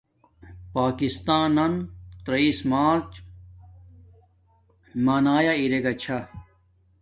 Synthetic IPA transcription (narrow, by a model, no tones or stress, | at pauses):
paːkist̪aːnɐnt̪ɾɐiːsmaːɾt͡ɕ | maːnaːjaiɾeɡɐt͡ɕʰa